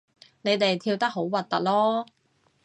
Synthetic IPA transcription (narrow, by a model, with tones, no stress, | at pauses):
ne˨˧jt̪e˨jt̪ʰiː˧wt̪ɐ˥k̚ɦo˨˥wwɐ˨t̪̚t̪ɐ˨t̚lɔː˥